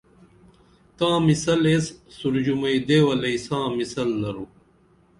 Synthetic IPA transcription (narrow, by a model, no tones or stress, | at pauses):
t̪ãːmisɐlesːuɾd͡ʑumɐid̪eːwɐlɐisãːmisɐlːɐɾu